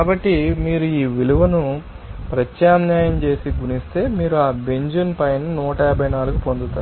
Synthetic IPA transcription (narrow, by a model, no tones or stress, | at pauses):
kaːbɐʈːimiːɾuiːʋiluʋɐnu | pɾɐt͡ʃjaːmɲaːjɐmt͡ʃe̞ːsiɡunist̪e̞ːmiːɾuaːbeɲd͡ʒunpɐjnɐnuːʈɐɛɾbʱɐjnaːluɡupo̞nd̪ut̪aːɾ